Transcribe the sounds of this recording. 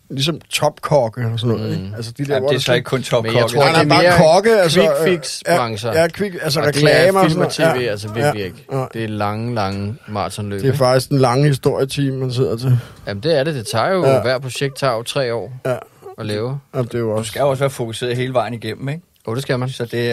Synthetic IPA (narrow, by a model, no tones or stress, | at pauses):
lis̬ɒ̽mt͡sʰɒ̽b̥kʰɒɡ̥əɒsɔnːɔ̽ːe̥ælsəd̥id̥eɐoɒesɒeɡ̥əkʰɔnt͡sʰɒmeaɡʰt͡sːebeɑːɐkʰɒɡ̥əælsfiɡ̥sæ̥ʁɑ̈ŋsɐjækʰʋiɡ̥æls̬əʁɛd̥ʰelɛːmmɐilt͡sʰḛːe̝̰ːælsəʋiɐæɡlieɡ̥nɑ̈ɪ̰d̥e̝ælɑ̈ŋəlɑ̈ŋəmɑ̰̈ːt͡sʰɒnlø̰d̥ːe̝æɐfɑ̈ɡ̥d̥isɡ̥d̥enlɑ̈ŋəhisd̥o̝ɐ̰jət͡sʰḭːmːæns̬e̝ð̰ˠɐt͡sʰe̝jæmn̩d̥e̝æɐɾe̝d̥e̝t͡sʰɑ̰̈ːjo̝ʋæɐ̰̥pʰo̝ɕeɡ̥̚d̥̚t͡sʰɑ̰̈ːot͡sʰʁɛ̰ːɒ̰ːjæɒlɛːʊɐæmd̥e̝joɒssɡ̥æjoɒsʋæːɐfo̝kʰuse̝ːɐðˠɦe̝ːləʋɑ̈ɪ̰niɡ̥em̰m̩eɡ̥ | jod̥e̝sɡ̥æmænsɒ̽d̥e̝